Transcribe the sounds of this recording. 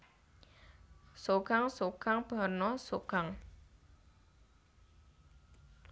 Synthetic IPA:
soɡ̥aŋsoɡ̥aŋb̥a̤nɔsoɡ̥aŋ

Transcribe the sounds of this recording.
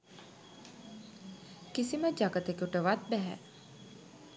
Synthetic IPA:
kisiməd͡ʒaɡət̪ekuʈəʋat̪̚bæɦɛ̰ʔ

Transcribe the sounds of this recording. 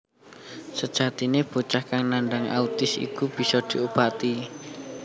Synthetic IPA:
səd̥ʒ̥a̤t̪ineb̥o̤t͡ʃahkaŋnaɳɖaŋʔa̰ut̪ɪsḭkub̥i̤sɔd̪̥i̤ub̥at̪i

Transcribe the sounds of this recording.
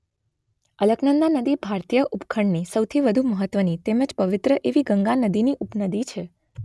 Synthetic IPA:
ələɡnənd̪anəd̪ibʱaɾt̪ijəʔupkʰəɳnisəwt̪ʰiʋəd̪ʱuməɦət̪ʋənit̪eməd͡ʒpəʋɪt̪ɾəʔeʋiɡəŋɡanəd̪iniʔupnəd̪it͡ʃʰe

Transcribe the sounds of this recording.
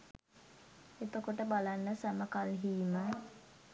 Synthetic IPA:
et̪okoʈəbalanːəsæməkalɦiːmə

